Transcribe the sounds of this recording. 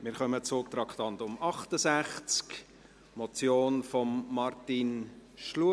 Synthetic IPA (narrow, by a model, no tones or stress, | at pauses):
mɪːɾχœmət͡sʊːt̪ɾɑkχt̪ɑntʊmɑχtəsæχt͡sk | mɔt͡sjoːnfɔmːɑrtinʃlu